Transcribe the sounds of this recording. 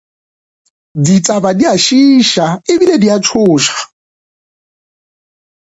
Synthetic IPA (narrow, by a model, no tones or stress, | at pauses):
dit͡sʼabadiaʃiʃaɪbilediat͡ʃʰʊːʃḁ